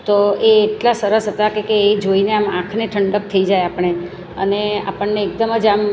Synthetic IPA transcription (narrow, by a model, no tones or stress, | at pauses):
t̪oeːʈlasəɾəsɦət̪akekeːd͡ʒoineamãkʰneʈʰəɳɖək̚t̪ʰəid͡ʒajapəɳ̃e | ə̰nea̰pəɳːeːk̚d̪əməd͡ʒam